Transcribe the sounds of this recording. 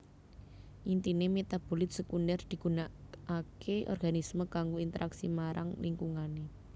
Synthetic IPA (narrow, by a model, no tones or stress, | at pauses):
ʔint̪inemet̪ab̥o̤lɪt̪̚səkundərd̪̥i̤ɡ̥ṳnaakʰeʔɔ̰rɡ̥anisməɡaŋɡoint̪əɾʔaksimaɾa̰ŋliŋkuŋane